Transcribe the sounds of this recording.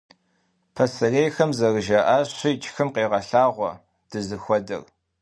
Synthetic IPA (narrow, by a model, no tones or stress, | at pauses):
pʰɐsɐreːjxɐmzɐrɨʒɐʔaːɕɪt͡ʃʰʼxɨmqeːʁɐɬaːʁʷɔ̰ | d̥ɨzɨxʷɔdɐ̰r